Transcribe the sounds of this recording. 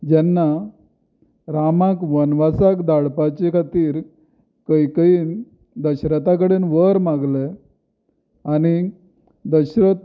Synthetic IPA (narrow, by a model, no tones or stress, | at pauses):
d͡ʑɛnːa | ɾamãkʋənʋasakd̪aɽpat͡ɕekʰat̪iːɾ | kəjkəiːn | d̪əɕɾət̪ak̬əɽenʋəɾmaɡle | ani | d̪əɕɾət̪